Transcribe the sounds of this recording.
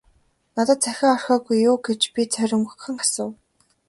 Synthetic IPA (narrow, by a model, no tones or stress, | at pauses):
nat̪ə̆t̪t͡sæxʲɪ̆ŋɔrxɔːɣujːʊːɡet͡ɕpʲit͡sʰœɾʲɪ̆mɡɵ̥̆xə̆ŋɢasʊ̆ː